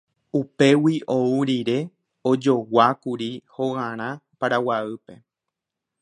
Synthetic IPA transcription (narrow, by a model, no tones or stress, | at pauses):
upe̞wiʔo̞uɾiɾe̞ | o̞d͡ʒo̞wakuɾihoɣãɾ̃ãpaɾawaɨpe̞